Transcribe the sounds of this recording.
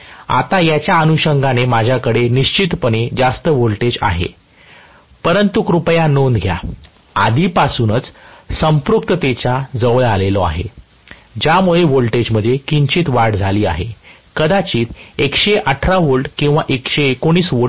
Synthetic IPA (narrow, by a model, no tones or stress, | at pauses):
a̰t̪ajat͡ɕjaənuɕəŋɡanemad͡ʑʱjakəɽeniɕt͡ɕit̪pəned͡zast̪əʋolʈed͡ʑa̰ɦḛ | pəɾənt̪ukɾupjanond̪ɡʱja̰ | ad̪ʱiːpasuːnət͡ssəmpɾuk̚t̪ət̪et͡ɕad͡zəʋlalelɔa̰ɦḛ | d͡ʑjamuɭeʋolʈed͡ʑm̤əd̪ʱːjekiɲt͡ɕiːt̪ʋaɾʈd͡zʱaliːa̰ɦḛ | kəd̪at͡ɕiːt̪ekɕeʔəʈʰɾaʋolʈkĩw̃ʋaʔekɕekoɽ̃iːsʋo